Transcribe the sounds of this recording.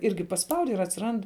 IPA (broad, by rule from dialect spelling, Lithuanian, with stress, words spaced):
ˈɪrʲɡʲɪ pɐsˈpɐʊdʲɪ ɪr ɐtʲsʲɪˈrɐnt